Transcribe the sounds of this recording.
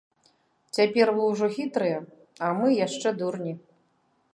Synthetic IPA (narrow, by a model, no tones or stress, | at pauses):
t͡sʲapʲɛrvɨwʐɔxʲit̪ɾɨjɐ | ɐmɨjaʂt͡ʂɛd̪urnʲi